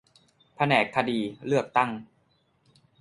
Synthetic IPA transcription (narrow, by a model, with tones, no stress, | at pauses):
pʰa˧nɛː˨˩kʰːa˧diː˧lɯ˥˩ək̚t̪a˥˩ŋ